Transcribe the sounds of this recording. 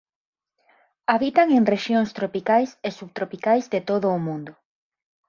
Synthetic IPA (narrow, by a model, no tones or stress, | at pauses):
aβit̪aŋeŋreʃjoŋst̪ɾopikajsesuβt̪ɾopikajzðet̪oðʊːmũnd̪ʊ